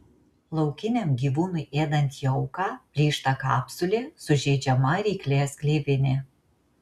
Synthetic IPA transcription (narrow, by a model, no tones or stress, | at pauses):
lˠɒʊkʲɪnʲɛmɡʲiːʋuːnʊɪeːd̪ɐnʲt̪ʲjɔʊkɑːpʲlʲiːʃt̪ɐkɑ̰ːpsʊlʲeːsʊʒʲɛːd͡ʒʲɛmɐɾʲɛɪkʲlʲeːsklʲeːbʲɪnʲeː